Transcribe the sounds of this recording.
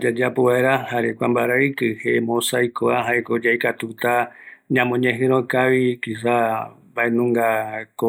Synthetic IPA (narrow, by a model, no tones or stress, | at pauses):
d͡ʒad͡ʒapoeɾahaɾekʷãmbaɾaɨkɨhemõsajkoaɦaekod͡ʒajkat̪ut̪aɲãmõɲẽɦɨ̃ɾõkaʋikisa | baenũŋɡako